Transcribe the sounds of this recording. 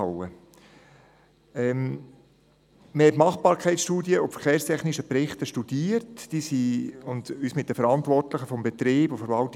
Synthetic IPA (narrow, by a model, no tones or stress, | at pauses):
ə | ɛm | məhɛtmɑχpɑːɾkʰɛɪt͡ssʃtuːdjəʊpfəɾχeːɾst̪ʰɛχniʃəpɾɪχtəʃtud̥iːəɾtd̥iːsiʊnd̪yːsmɪt̚d̥̪əfəɾɑnt̪vɔrtləχəfɔmbɛt̪ɾeːbofəɾvɑlt